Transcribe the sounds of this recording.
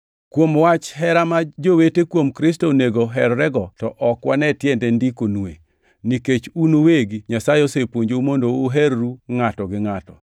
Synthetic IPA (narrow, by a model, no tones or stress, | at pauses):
kwomwat͡ʃɦɛɾamad͡ʒowetekwomkɾɪstoneɡoɦɛrːɛɡɔtɔʔɔkwanɛtjɛndɛndikonuḛ | niket͡ʃunoweɡiɲasajosepwoɲd͡ʒomondoːɦɛrːuŋatɔɡɪŋatɔ